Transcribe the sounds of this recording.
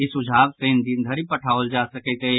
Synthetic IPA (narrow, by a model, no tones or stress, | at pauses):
ɪsʊd͡ʒʱaːbsẽːnd̪ind̪ʱɐɾipɐʈʰaːold͡ʒaːsɐket̪e